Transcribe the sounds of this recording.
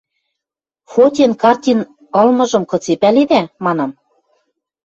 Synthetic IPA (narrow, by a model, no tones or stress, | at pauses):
fot̪ʲenkɑrt̪ʲin | ɤ̆lmɤ̆ʒɤ̆mkɤ̆t͡sepæled̪æmɑnɑm